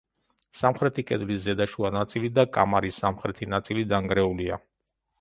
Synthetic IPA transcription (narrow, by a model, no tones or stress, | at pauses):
samχɾɛt̪ʰikʼɛd̪liszːɛd̪aʃuanat̪sʼilid̪akʼa̰maɾisːamχɾɛt̪ʰinat̪sʼilid̪aŋɡɾɛulia̰